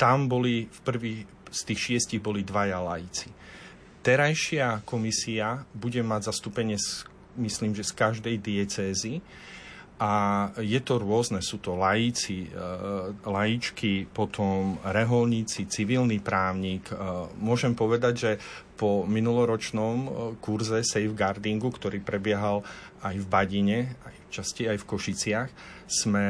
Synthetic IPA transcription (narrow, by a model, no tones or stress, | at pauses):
t̪ambɔlifpr̩ʋiː | st̪iːxʃɪɛsciɣbɔlid̪ʋajalajit͡si̥ | t̪ɛɾajʃɪakɔmisiabuɟɛmaɟzast̪uːpɛɲɪɛs | misliːmʒɛskaʒd̪ɛjd̪ɪɛt͡sɛːzi | ʔajɛt̪ɔɾʊɔznɛsuːt̪ɔlajit͡si | lajit͡ʃkipɔt̪ʰɔmɾɛɦɔlɲit͡sit͡siʋilnipɾaːʊɲiːkmʊɔʒɛmpɔʋɛd̪aɟʒɛpɔminulɔɾɔt͡ʃnɔmkuɾzɛsɛjvɡaɾd̪iŋɡukt̪ɔɾiːpɾɛbɪɛɦal | ajvbaɟiɲɛajft͡ʃascɛajfkɔʃit͡sɪax | smɛ